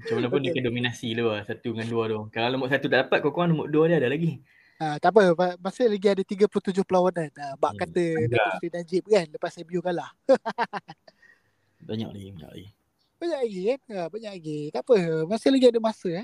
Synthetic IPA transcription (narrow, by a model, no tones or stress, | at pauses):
mat͡ʃamanapʊndikədominasiluasat̪uŋanduadokalalomʊʔsat̪ut̪aʔdapat̪̚kokoŋanlumʊʔduadiadalaɡi | at̪ap̬əamasɪhlaɡiadət̪iɡəplut̪ud͡ʒʊhpəlawananəbaʔkat̪ədaɾinad͡ʒɪp̚kanləpasajəbiukanlah | baɲa̰ʔlaɡibaɲa̰ʔla̰ɡi | baɲaʔlaɡikanəbaɲaʔ̚laɡit̪apəmasɪhlaɡiadəmasəa